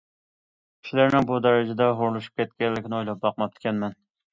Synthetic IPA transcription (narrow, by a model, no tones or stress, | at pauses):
kʲi̥ʃilæɾnɪŋbud̪ɛɾɪd͡ʒɛd̪ɛɦoɾlˠuʃu̥p̚kʲʰɛt̪̚kʲɛllːɪkʲɪnɪojlˠɑp̚bɑq̚mɑp̚t̪ʰːɪ̥kʲɛnmɛn